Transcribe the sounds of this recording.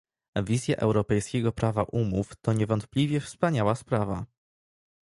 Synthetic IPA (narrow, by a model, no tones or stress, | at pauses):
vʲizʲjaʔɛwɾɔpɛjskʲɛɡɔpɾavaʔumuft̪ɔɲɛvɔnt̪̚plʲivʲjɛfspaɲawaspɾava̰